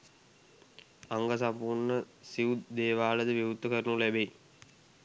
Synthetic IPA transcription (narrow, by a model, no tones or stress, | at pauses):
aŋɡəsampurnə | siud̪eːʋaːləd̪əʋiʋut̪ːəkəɾənulæbei